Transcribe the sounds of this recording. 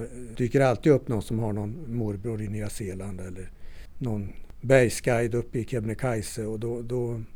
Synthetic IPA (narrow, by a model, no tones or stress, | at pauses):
d̪̥yːkəɾalt̪iːd̪ɵpːnɔnsɔmhaɳɔnmuɾbɾuːɾɪniːaseːland̪ɛlːəɾnɔnbɛjskajd̪ɵpːɪkʰɛbnəkʰajsəɔd̪ɔd̪ɔ